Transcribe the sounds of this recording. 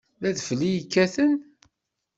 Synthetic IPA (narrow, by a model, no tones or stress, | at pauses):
ðæðflijkːæθən